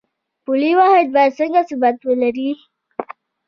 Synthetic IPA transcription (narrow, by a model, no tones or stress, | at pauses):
puliwɑhɪd̪̚bɑjad̪səŋɡasubat̪wəlaɾi